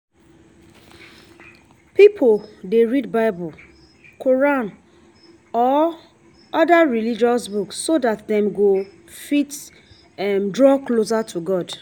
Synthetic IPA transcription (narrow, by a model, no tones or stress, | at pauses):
pipʰoldeɹidbaɪbɔl | kʰoɹãn | ɔ | ɔdaɹilid͡ʒɔsbuksːodatdɛ̃mɡo | fit | ɛmdɹɔklos̬atʰuɡɔd